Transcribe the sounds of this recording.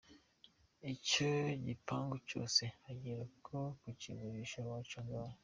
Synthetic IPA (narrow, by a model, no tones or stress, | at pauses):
icoɟipaːŋɡuco̞̰ːsehaɟiɾakʰokucḭβuɾiʃawat͡ʃonɡawa